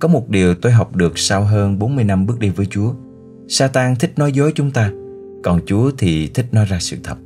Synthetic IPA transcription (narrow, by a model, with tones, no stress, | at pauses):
kɔ˨˦mo˨˩t̚ɗi˨˩əwt̪o˧jɦa˨˩wk͡p̚ɗɨ˨˩ək̚sa˧wɦəː˧nɓo˨˦nmɨ˧əjna˧mɓɨ˦˥ək̚ɗi˧vəː˨˦jt͡ɕu˨˦ə | saː˧t̪aː˧ŋt̪ʰï˦˥k̟̚nɔ˨˦jzo˨˦jt͡ɕʊ˨˦ŋ͡mt̪aː˧ | kɔ˨˩nt͡ɕu˨˦ət̪ʰi˨˩t̪ʰï˦˥k̚nɔ˨˦jzaː˧sɨ̰˧˨t̪ʰə˨˩p̚